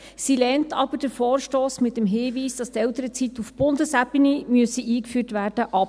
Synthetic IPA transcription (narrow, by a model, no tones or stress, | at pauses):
silɛːntʰɑbəɾd̥əɾfoːɾʃtoːsmɪtːəmɦɪːviːsd̥ɑst̪ɛlt̪əɾət͡sit̪ufb̥ʊndəsæpinimyəsiʔiːkfyːtʋæːrd̥əʔɑp